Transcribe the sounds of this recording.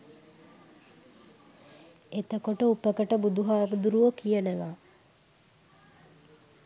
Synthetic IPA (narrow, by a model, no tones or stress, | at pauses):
et̪əkoʈəupəkəʈəbud̪uɦaːbud̪uɾuʋokijənəʋaː